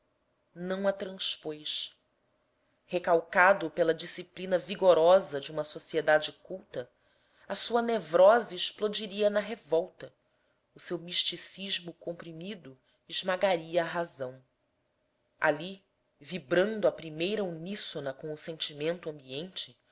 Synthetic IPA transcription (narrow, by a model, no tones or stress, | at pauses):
nɐ̃w̃ɐt̪ɾɐ̃ʃpojʃ | hekawkad̪ʊpelɐd͡ʒisiplinɐviɡoɾɔzɐd͡ʒɪũmɐsosied̪ad͡ʒɪkuwt̪ɐ | ɐsuɐnevɾɔzɐɪʃplod͡ʒiɾiɐnɐɦevɔwt̪ɐ | ʊsewmiʃt͡ʃisiʒmʊkõmpɾimid̪ʊ | ɪʒmaɡaɾiɐːɦazɐ̃w̃ | a̰li | vibɾɐ̃nd̪ʊɐpɾimejɾɐunisonɐkõw̃ʊsẽnt͡ʃimẽnt̪ʊɐ̃mbiẽnt͡ʃɪ